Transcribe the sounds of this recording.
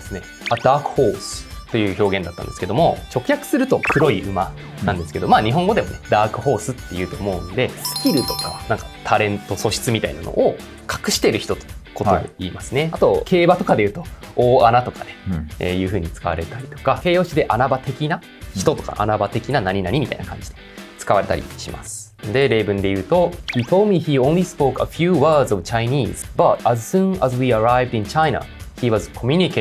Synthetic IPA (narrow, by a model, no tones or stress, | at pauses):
esɨne̞ | ad̪aːkɯ̟̥ho̞ːsɨ̥t̪ːo̞jɯ̟ːço̞ːɡẽnd̪at̪ːã̰nd̪e̞sɨ̥ke̞d̪omo̞t͡ɕo̞kɯ̟çjakɯ̟̥sɨɾɯ̟t̪o̞kʰɯ̟ɾo̞iɯ̟ma | ãnd̪esɨ̥ke̞d̪o̞maːɲ̟iɦoŋɡo̞d̪e̞mo̞̰ne̞d̪aːkɯ̟ɦo̞ːsɨt̪ːe̞jɯ̟ːt̪o̞ːmo̞ɯ̟nod̪e̞skʲiɾɯ̟t̪o̞̥ka̰nãŋkḁt̪ʰaɾẽ̞nt̪o̞so̞ɕi̥t͡sɨmʲit̪aina̰no̰ʔo | kʰḁkɯ̟ɕi̥t̪eɾɯ̟çi̥t̪o̞t̪o̥kʰo̞t̪o̞d̪ḛiːmasɨne̞at̪o̞kʰe̞ːbat̪o̞kad̪e̞ɯ̟ːt̪o̞o̞ːanat̪o̞kad̪eḛjɯ̟ːɸɯ̟ːɲ̟it͡sɨ̥kaβa̰ɾe̞t̪aɾʲit̪o̞̥kake̞ːjo̞ːɕid̪e̞ʔanabat̪e̞kʲina | çi̥t̪o̞t̪o̞ka̰ʔa̰nabat̪e̞kʲinanaɲ̟inaɲ̟imʲit̪a̰ḭnakʰã̰ɲ̟d͡ʑi̥d̪̥e̞̥t͡sɨ̥kaβaɾe̞t̪a̰ɾʲḭɕima̰sɨ̥ | d̪e̞ɾe̞ːbɯ̟̃nd̪e̞jɯ̟ːt̪o̞çiːt̪ʰoːlmʲiçiõnlʲispoːkafjuːβaːzovɯt͡ɕainʲiːzbat̪azsũːnazwiːaɾajvd̪ĩɲt͡ɕaina̰çiβazɨkʰo̞mʲjuɲʲike